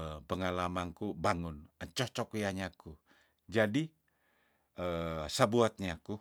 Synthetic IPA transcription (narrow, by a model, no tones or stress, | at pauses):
pəŋalamaŋkubaŋʊnəɲt͡ʃɔht͡ʃɔkujaɲaku | d͡ʒadi | əsabuat̪̚ɲaku